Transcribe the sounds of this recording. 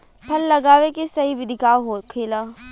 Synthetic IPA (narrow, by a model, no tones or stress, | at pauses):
pʰɐlːɐɡaːʋekisɐɦiʋɪd̪ʱɪkaːwɦokʰeːlaː